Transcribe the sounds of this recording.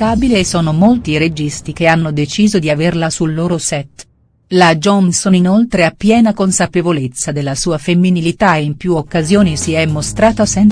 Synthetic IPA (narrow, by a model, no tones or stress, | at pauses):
aːbileːsːɔːnomolt̪iɾed͡ʒist̪ik̟eanːod̪et͡ʃiːzod̪iaverlasulːoːɾosɛt̪ | lad͡ʒɔnsoninolt̪ɾeapːjɛːnakonsapevolet̪sːad̪elːasuːafemːinilit̪aeimpjuokːazjoːnisiɛmːost̪ɾaːt̪asɛn